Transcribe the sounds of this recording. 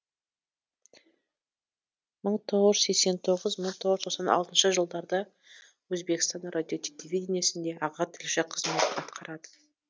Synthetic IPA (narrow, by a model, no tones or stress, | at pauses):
məɴt̪ʰo̞ʁəʒse̞kse̞nt̪ʰo̞ʁəzməɴt̪ʰo̞ʁəzʰosɑnɑlˠt̪ənʃəʒəlˠd̪ɑɾd̪ə | wɵzbe̞kst̪ɑnrʔad̪ʲijo̞t̪ʲʰelʲevʲidʲenijasɪnd̪e̞ʔɑʁɑt̪ʰɪlʃɪqʰəzme̞t̪ɑt̪qʰɑɾɑd̪ə̥